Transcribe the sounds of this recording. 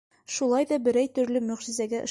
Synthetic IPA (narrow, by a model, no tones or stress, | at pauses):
ʃulˠɑjd̪ɒbɘ̆ɾæjt̪ɵ̆ɾlɘmɵ̆ʁʒɘ̆zæɡæʔŏ